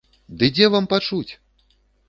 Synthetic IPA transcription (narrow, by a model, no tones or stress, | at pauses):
d̪ɨd͡zʲɛvampat͡ʂut͡sʲ